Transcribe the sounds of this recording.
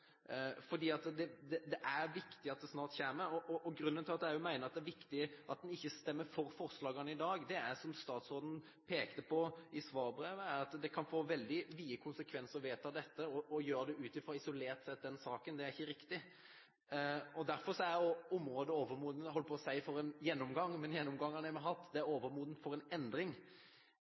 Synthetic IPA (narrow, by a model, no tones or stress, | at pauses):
fɔɖiːɑt̪d̪ɛd̪ɛd̪ɛʔæɾʋɪkt̪ɪɑt̪̚d̪ɛsnɑːɾʈ̪çeːməɾɔʔɔʔɔɡɾʉnd̪ənʰɪlɑt̪d̪ɛæɾjʊmæɪnəɾɑt̪d̪ɛæɾʋɪkt̪ɪʔɑt̪̚d̪ɛnɪçːəst̪ɛmːəɾfɔɾfɔɾslɑːɡɑnəɪd̪ɑːɡd̪ɛæɾsɔmst̪ɑːt̪soːd̪ən̩ | pʰeːkt̪əpʰɔɪsʋɑːɾbɾeːʋəæɾɑt̪d̪ɛkʰɑnfoːʋɛld̪ɪʋiːəkʰʊnsəkʰʋɛnsəɾʋeːt̪ʰɑːd̪ɛt̪ːəɔʔɔjøːɾd̪ɛʔʉːt̪ɪfɾɑːɪsʊleːɾt̪sɛt̪̚d̪ɛnsɑːkənd̪ɛæɾɪçːəɾɪkt̪ɪ | ɔd̪æɾfɔɾʂɔæɾjʊɔmɾoːd̪əoːʋəɾmuːd̪nɦɔlːəpʰɔːsæɪfɔɾɛnjɛnːɔmɡɑŋːmɛnjɛnːɔmɡɑŋːɑnæɾmɛɦɑt̪ːd̪ɛæɾoːʋəɾmuːd̪ən̩fɔɾɛnɛnd̪ɾɪŋ